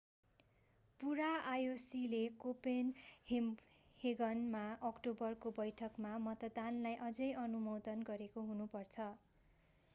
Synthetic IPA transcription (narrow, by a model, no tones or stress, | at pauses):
puɾaajosilekopenhem | heɡʌnmaʌkʈobʌrkobʌjʈʰʌkmamʌt̪ʌd̪anlajʔʌd͡zʌjʌnumod̪ʌnɡʌɾekoɦunupʌrt͡sʰʌ